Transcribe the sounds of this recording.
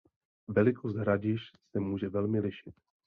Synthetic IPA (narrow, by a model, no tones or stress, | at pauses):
vɛlɪkʰost̪ɦɾaɟɪʃsɛmuːʒɛvɛlmɪlɪʃɪt̪